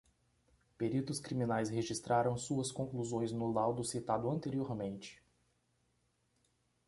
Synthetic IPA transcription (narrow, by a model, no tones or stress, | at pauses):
peɾit̪ʊskɾimĩnajsheʒist̪ɾaɾɐ̃w̃suɐskõkluzõj̃znʊlawd̪ʊsit̪ad̪ʊɐ̃nt̪eɾioɾmẽnt͡ʃɪ̥